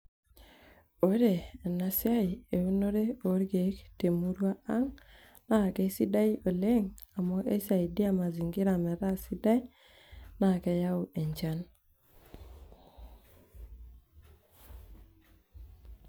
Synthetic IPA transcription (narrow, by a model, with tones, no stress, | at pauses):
o˦ɾe˨na˨sja˦i˨e˨wu˦no˦ɾe˦o˨˦ɾɡe˨˦kte˨mu˦ɾwa˦a˦ŋ | na˦˨ke˦si˦da˦ji˦o˨le˦ŋa˨mɔ˦ʔe˦sa˨i˨di˦a˦ma˨zi˨ŋɡi˦ɾa˨mɛ˨ɾa˦si˦da˦i˦ | na˨kɛ˨ja˦ʊ˨e˨ɲd͡ʒa˦n